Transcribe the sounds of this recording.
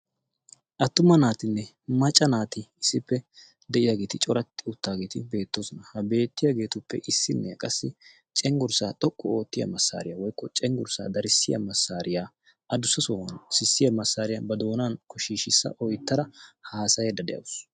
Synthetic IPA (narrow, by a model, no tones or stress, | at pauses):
ʔɐt̪ːʊmɐnaːt̪ɪnːɛ | mɐt͡ʃʼːɐnaːt̪ɪɪsːɪpːɛ | d̪ɛʔɪjaːɡeːt̪ɪt͡ʃʼɔɾɐt̪ːɪʊt̪ːaːɡeːt̪ɪbe̞ːt̪ːoːsɔnɐhɐbe̞ːt̪ːɪjaɡe̞ːt̪ʊpːɛ̰ʔɪsːɪnːɛjɐkʼɐsːɪ | t͡ʃʼɛŋɡʊɾsaːt̪ʼɔkʼːɔo̞ːt̪ːɪjɐ̰mɐsːa̰ːɾɪjawɔjkːɔt͡ʃʼɛŋɡʊɾsa̰ːd̪ɐɾɪsːɪjɐ̰mɐsːaːɾɪjaː | ʔɐd̪ʊsːɐsowɐnsɪsːɪjɐmɐsːaːɾɪjɐbɐd̪o̞ːnaːnkɔʃiːʃɪsːɐ̰ʔɔjt̪ːɐɾɐhaːsɐjɛd̪ɐd̪ɛ̰jɐ̰ws